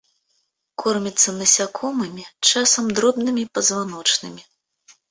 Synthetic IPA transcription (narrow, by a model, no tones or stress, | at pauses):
kʰɔrmʲit̪sːɐnɐsʲakʰɔmɨmʲit͡ʂasɐmd̪ɾɔbnɨmʲipɐzvanɔt͡ʂnɨmʲi